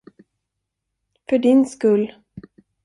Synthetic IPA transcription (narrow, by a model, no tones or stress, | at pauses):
fœɖɪnskɵlː